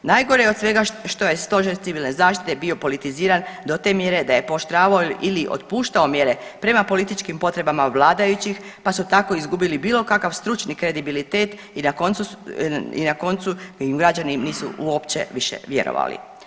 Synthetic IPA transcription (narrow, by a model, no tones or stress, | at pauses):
naːjɡoɾejod̪sʋe̞ɡaʃt̪o̞je̞st̪o̞ʒeɾt̪siʋilˠnezaːʃt̪i̥t̪e̞bio̞po̞lit̪iziːɾand̪o̞t̪e̞mje̞ɾe̞d̪aje̞po̞ʃt̪ɾaːʋaoiliʔo̰t̪̚puːʃt̪ao̞mje̞ɾe̞pɾe̞mapo̞lit̪it͡ʃkimpo̞t̪ɾe̞bamaʋlˠaːd̪ajut͡ɕix | pasut̪ako̞izɡubilibiːlo̞kakaʋst̪ɾut͡ʃnikɾe̞d̪ibilit̪e̞ːt̪ | inakon | ḭnako̞nt̪suimɡɾad͡ʑaniniːsṵuo̞pt͡ɕe̞̰ʋiʃḛʋje̞̰ɾo̰ʋa̰lḭ